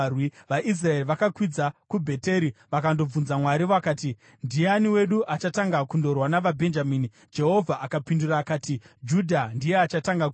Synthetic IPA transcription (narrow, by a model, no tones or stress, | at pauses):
wiʋaʔis̬rae̞riʋakakwid͡zakubʱe̞te̞ɾiʋakando̞b͡vunzamwaɾiʋoakaːti | ndijeaniwe̞ɗuʔat͡ʃataŋɡakundo̞rwanaʋabʱe̞nd͡ʒamiːni | d͡ʒe̞ɦo̞vʱaʔakapinduraːkaːti | d͡ʒudʱandijeat͡ʃataŋɡak